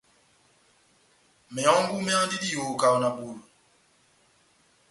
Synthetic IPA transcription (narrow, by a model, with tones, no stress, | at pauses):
mɛ˨ɔ̃˨˦ŋ˦bu˦mɛ˦ã˦di˦di˦jo˨ka˨wna˨bu˨lu˨